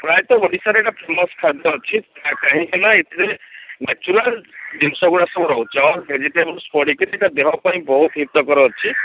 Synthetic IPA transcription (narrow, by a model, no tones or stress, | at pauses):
pɾajt̪ɔoɽisaɾeʈapʰɾemɔskʰad̪ɔːt͡ʃʰikakaɦĩkʰɛnaet̪iɾenat͡ʃuɾaldimsɔɡuɽasɔbɔɾɔɦut͡ʃʰiawɾbʱed͡ʒiʈebɔlspɔɽikɔɾeʈad̪eɦɔpaj̃bɔɦut̪ɦip̚t̪ɔkɔɾɔɦːt͡ʃʰi